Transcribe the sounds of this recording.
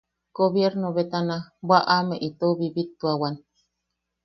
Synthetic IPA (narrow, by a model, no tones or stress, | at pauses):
ɡ̥oβjeɾnoβet̪anabʷaʔameʔit̪oβiβit̪ːuawan